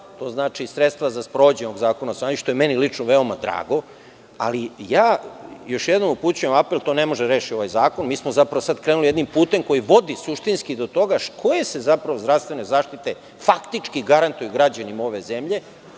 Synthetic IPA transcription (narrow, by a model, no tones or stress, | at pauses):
t̪o̞ːznaːt͡ʃisɾet̪st̪ʋazaspɾoʋod͡ʑenoɡzaːko̞nasaːniʃt̪o̞emenilit͡ʂnoʋeo̞mad̪ɾa̰ːɡo̞ | alijaːjo̞ʃjed̪no̞muput͡ɕuje̞mape̞lt̪o̞ːnemoʒeɾet͡ɕioʋajzaːko̞nmiːsmozapɾaʋosad̪kɾenulijed̪nimpuːt̪e̞mko̞jiʋo̞d̪isuʃt̪inskid̪o̞t̪o̞ɡaʃkʰo̞je̞se̞zapɾaʋozdɾafst̪ʋe̞ne̞zaːʃt̪it̪e̞ | fakt̪it͡ʂkiɡaɾant̪ujuɡɾad͡ʑanimao̞ʋe̞ze̞mʎe̞